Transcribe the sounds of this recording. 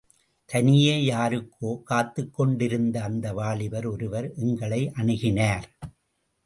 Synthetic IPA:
t̪ʰɐnɪjeːjaːɾɯkʰːoːkaːt̪ːɯkːɔɳɖɪɾɯnd̪ɐːnd̪ɐʋaːɭɪʋɐɾɔɾɯʋɐɾʔɛŋɡɐɭɐɪʔɐɳɯɣɪnaːɾ

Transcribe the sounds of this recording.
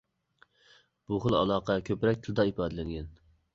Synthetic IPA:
b̥uχəlˠɑ̰lˠɑːqʰɑkʲʰøpɾɛk̚ʲt̪ʰɨlˠɨd̪ɑipʰɑːd̪ɨlɛŋɡʲɛn

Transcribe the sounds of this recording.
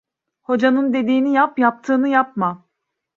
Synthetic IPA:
ho̞d͡ʒanɯnd̪e̞d̪iːnijapjap̚t̪ʰɯːnɯjap̚ma

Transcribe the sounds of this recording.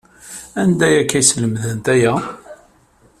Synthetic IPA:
ænd̪æjækːæjsləmðənt̪æjæ

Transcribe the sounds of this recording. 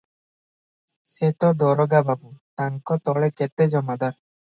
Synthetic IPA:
set̪ɔd̪ɔɾɔɡababut̪aŋkɔt̪ɔɭeket̪ed͡ʒɔmad̪aɾ

